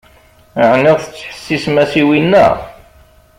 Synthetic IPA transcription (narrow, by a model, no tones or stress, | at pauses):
ʕniʁθə̥t͡sːħə̥sːismæsiwinːæ̰